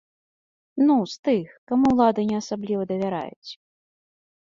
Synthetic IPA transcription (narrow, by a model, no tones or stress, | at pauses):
nust̪ɨxkamuwlˠad̪ɨnʲɛɐsablʲivɐd̪ɐvʲaɾa̰jṵt͡sʲ